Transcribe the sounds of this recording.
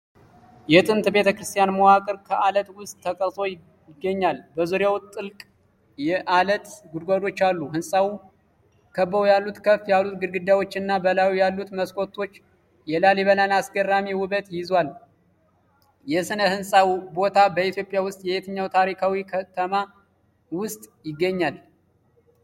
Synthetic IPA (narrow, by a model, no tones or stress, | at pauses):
jɛt̪ʼɨnt̪be̞t̪ʰəkɾɨst̪ʰʼijanməwakʼɨɾkʰəʔalət̪wʊst̪ʼʰːəkʼəɾt̪ʼo̞j | ɪɡːəɲːalbəzuɾjawʊt̪ʼːɨlkʼ | jɛʔalət̪ɡud̪ɡʷad̪o̞t͡ʃːalːuhɨnsʼawu | kʰəbːəwjalːut̪kʰəfjalːut̪ɡɨɾɡɨd̪awo̞t͡ʃːɨnːabəlawujalːut̪məskʼo̞t̪ʰʼːo̞t͡ʃː | jɛlaliβəlanasɡərːamiwʊβət̪jɪzwal | jɛsɨnəhɨnsʼawbo̞t̪ʰabəit̪jo̞pʼjawʊst̪ʼjɛet̪ʰəɲːawt̪ʰaɾikʰawikʰət̪ʰəma | wʊst̪ʼjɪɡːəɲːal